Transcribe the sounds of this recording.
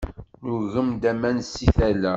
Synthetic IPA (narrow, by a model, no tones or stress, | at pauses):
nuɣəmd̪æmænsiθælæ